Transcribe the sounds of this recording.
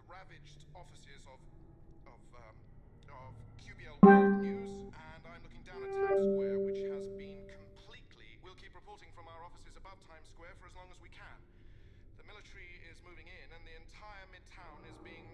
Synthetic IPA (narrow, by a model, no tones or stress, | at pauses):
ɹavɪd͡ʒdɒfɨsɪzəv̥ | v | əv̥kʰj̥ʉbiɛlˠazə̃nãɪ̃mlʊkɪ̃ŋdãʊnwɛwɪt͡ʃhəzbĩnkʰə̃m̩pʰl̥iˑʔʰlḭwilˠkʰiˑpɹɨpʰɔˑɹɾɪ̃ŋfɹʌ̃maʊə˞ɒfəsəzəbʌv̥tʰãɪ̃mskwɛːfə˞əzlɔ̃ŋəzwikʰə̃n | ðəmɪlˠɨtəɹiɪzmʉvɪ̃ŋɪ̃nə̃nðiɨ̃ntʰaɪə˞mɪd̚tʰãʊ̃nɪzbiɪ̃ŋ